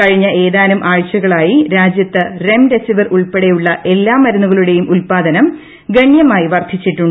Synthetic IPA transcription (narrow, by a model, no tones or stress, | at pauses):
ɐɻiɲːɐʔeːðaːnumʔaːɻt͡ɕːɐɣɐɭaːjiɾaːd͡ʑjɐt̪ːɨre̞mde̞siʋɐruɭpe̞ɽejuɭːɐʔe̞lːaːmːɐɾɐnːuɣɐɭuɽe̞jumʔulpaːd̪ɐnɐm | ɡeɳjɐmaːjiʋɐrd̪ʱit͡ɕːiʈːuɳːɖ